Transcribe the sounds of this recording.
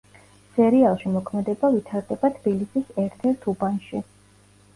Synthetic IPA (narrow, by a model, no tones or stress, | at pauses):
sɛɾialˠʃimɔkʰmɛd̪ɛbavit̪ʰaɾd̪ɛbat̪ʰb̥ilisisɛɾt̪ʰɛɾt̪ʰubanʃi